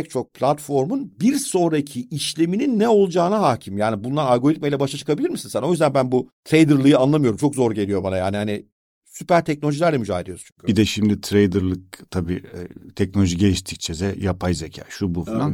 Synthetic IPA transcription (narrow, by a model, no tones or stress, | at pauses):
ɛc̚t͡ʃʰo̞k̚pʰlʲat̪fo̞ɾmunbiɾso̞ːɾacʰiʔːʃlʲe̞mininːɛo̞lˠud͡ʒaːnaɦaːcʰimjaːnibunlˠaɾalɡo̞ɾit̪mejlʲɛbaʃat͡ʃʰɯ̥kʰabilʲiɾmisinsæno̞jyzd̪ænbænbut̪ʰɾejd̪ɯɾlˠɯjɯanlˠamɯjo̞ɾumt͡ʃʰo̞kzo̞ɾɟe̞lʲijo̞banajaːaːnihani | sypæɾt̪ʰɛc̚nolʲoilʲæɾlʲɛmyd͡ʒaːɦed̪ʲijost͡ʃʰy̥ɲcʰbid̪ɛʃimd̪it̪ʰɾejd̪ɯɾlˠɯk̚t̪ʰabiːt̪ʰɛc̚nolʲoʒiɟejiʃt̪ʰi̥c̚t͡ʃʰezɛjapʰajzecʰa̰ːʃubufilˠan